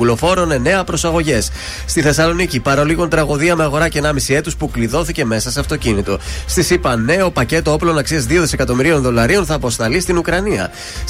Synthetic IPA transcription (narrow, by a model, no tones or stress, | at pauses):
ulo̞fo̞ɾo̞ne̞ne̞ɐpɾo̞sɐɣo̞ʝe̞s | st̪iθe̞sɐlo̞nicipɐɾoliɣont̪ɾɐɣo̞ðiɐme̞ɐɣo̞ɾɐcenɐmisie̞t̪uspukliðo̞θice̞me̞sɐseɐft̪o̞cinit̪o̞st̪isipɐne̞opɐce̞t̪o̞o̞plo̞nɐksiɐzðio̞ðise̞kɐt̪o̞miɾio̞nðo̞lɐɾio̞nθɐːpo̞st̪ɐlist̪inukɾɐniɐ̰